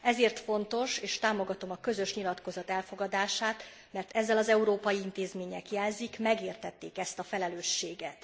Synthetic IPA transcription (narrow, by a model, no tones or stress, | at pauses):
ɛzeːrt̪fo̞nt̪o̞ʃeːʃt̪aːmo̞ɡɒt̪o̞mɒkø̞zø̞ʃɲilɒt̪ko̞zɒt̪ɛlfo̞ɡɒd̪aːʃaːt̪ | mɛrt̪ɛzːɛlɒzɛuɾoːpɒjiint̪eːzmeːɲɛkjɛlzikmɛɡeːrt̪ɛt̪ːeːkɛst̪ɒfɛlɛløːʃːeːɡɛt̪